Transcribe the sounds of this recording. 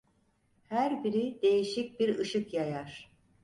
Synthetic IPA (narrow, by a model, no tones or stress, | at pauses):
hæɾbiɾid̪e̞jiʃic̚biɾɯʃɯkjajaɾ̥